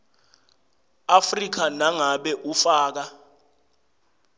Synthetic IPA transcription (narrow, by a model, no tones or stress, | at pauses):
afrik̬anaŋaɓɛʔufaːk̬a